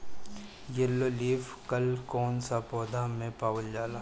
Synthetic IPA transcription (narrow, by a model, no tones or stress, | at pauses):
jelːoliːfkəlkɔːnsapɔːd̪ʱamẽpaːʋəld͡ʒaːla